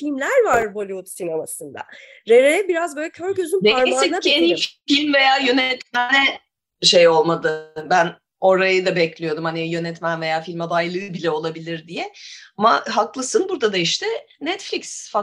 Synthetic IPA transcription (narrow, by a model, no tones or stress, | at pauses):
filʲmlʲæɾvaɾbolʲivut̪sinemasɯnd̪a̰ɾeɾejɛbiɾazbøjlʲɛcʰøɾɟøzynnemasɛɟeniffilʲmve̞jaːjø̞nɛt̪mɛnɛ | ʃe̞jo̞lˠmad̪ɯbæn | o̞ɾajɯd̪abɛclʲijo̞d̪umhanijø̞nɛt̪mænve̞jaːfilʲmad̪ajlˠɯːbilʲɛo̞lˠabilʲiɾd̪ijɛamaɦaklˠɯsɯnbuɾd̪ad̪aiʃt̪ʰɛnɛt̪flʲiksfa